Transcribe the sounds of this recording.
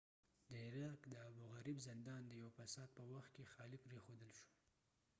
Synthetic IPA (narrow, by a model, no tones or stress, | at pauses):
d̪əɪɾɑkd̪əabuɣaɾibzɪnd̪ɑnd̪əjawfasɑd̪̚pəwaxt̪̚kexɑlɪpɾexod̪əlʃu̥